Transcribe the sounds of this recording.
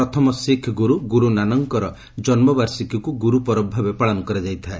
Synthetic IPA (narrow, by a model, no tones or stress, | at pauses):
ɔt̪ʰɔmɔsikʰɡuɾuɡuɾunanɔŋkɔɾɔ | d͡ʒɔnmɔbaɾsikʰɔkuɡuɾupɔɾɔbʱabepaɭɔnukɔɾad͡ʒajt̪ʰae